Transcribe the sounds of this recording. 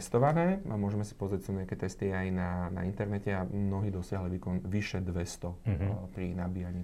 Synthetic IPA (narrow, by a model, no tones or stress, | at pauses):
st̪ɔʋanɛːamʊɔʒɛmɛsi̥pɔzɾacsuɲɛakɛt̪ɛst̪iajnana̰int̪ɛɾnɛcɛamnɔɦiːd̪ɔsɪaɦliʋiːkɔnʋiʃɛd̪ʋɛst̪ɔpɾinabiːjaɲiː